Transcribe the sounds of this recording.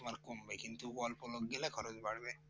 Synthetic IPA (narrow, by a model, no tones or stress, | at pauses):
maɾkombekint̪ubɔlpoloɡɡɛlakʰɔɾod͡ʑbaɽbe